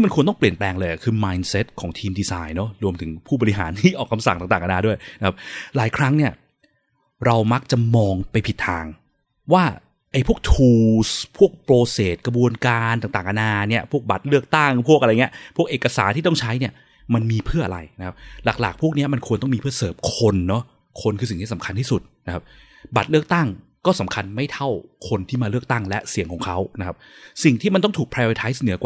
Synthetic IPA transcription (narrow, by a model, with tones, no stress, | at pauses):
i˥ma˧nkʰnt̪ɔ˥˩pli˨˩ənplɛː˧ŋlɤː˧ja˨˩kʰɯː˧maː˧jnse˦˥t̪̚kʰɔː˩˦ŋt̪ʰiː˧mdiː˧saː˧jnɔ˦˥ɾu˧əmt̪ʰɯ˩˦ŋpʰuː˥˩bɔː˧ɾi˦˥ɦa̰ː˩˦nt̪ʰiː˥˩ʔɔː˨˩kʰa˧msa˨˩ŋaː˨˩ŋt̪aː˨˩ʔa˧naː˧du˥˩əjna˦kʰa˦˥p̚laː˩˦jkʰɾa˦˥ŋni˥˩ɐ | ɾa˧wma˦˥k̚t͡ɕa˨˩mɔː˧ŋpa˧jpʰi˨˩t̪ʰːa̰ː˧ŋ | waː˥˩ | ʔa˧jpʰu˥˩ək̚t̪ʰuː˧˩spʰu˥˩ək̚pɾoː˧seː˨˩t̪̚kɾa˧bu˧ənkaː˧nt̪aː˨˩ŋt̪aː˨˩ŋka˧naː˧ni˦˥ɐpʰu˥˩ək̚ba˨˩t̪̚lɯ˥˩ək̚t̪a˥˩ŋpʰu˥˩kʔjŋ˩˦˥ɐpʰu˥˩ək̚ʔeː˨˩ka˧sa̰ː˨˩˦nt̪ʰiː˥˩t̪ɔ˥ŋt͡ɕʰa˦˥jni˥˩ə | ma˧nmiː˧pʰɯ˥˩ɐʔa̰˧a̰˧jna˦˥kʰa˦˥p̚la˨˩k̚la̰ː˨˩k̚pʰu˥˩əni˦˥ɐma˧nkʰu˧nt̪ɔ˥˩ŋmiː˧pʰɯ˥˩ɐsɤː˨˩p̚kʰo˧nːɔ˦˥ | kʰo˧nkʰɯː˧si˨˩t̪ʰiː˥˩sa˩˦mkʰa˧nt̪ʰiː˥˩su˨˩t̪̚na˦˥kʰa˦˥p̚ | ba˨˩t̪̚lɯ˥˩ək̚t̪a˥˩ŋkɔː˥˩sa˩˦mkʰa˧nma˥˩jt̪ʰa˥˩wkʰo˧nt̪ʰiː˥˩maː˧lɯ˥˩ək̚t̪a˥˩ŋlɛ˦˥si˨˩˦ŋkɔː˩˦ŋkʰa˦˥wna˦˥kʰa˦˥p̚si˨˩ŋt̪ʰiː˥˩ma˧nt̪ɔ˥˩ŋt̪ʰuː˨˩k̚pʰɾaː˧i˧t̪ʰaː˦˥js̬nɯ˨˩˦əkwa˨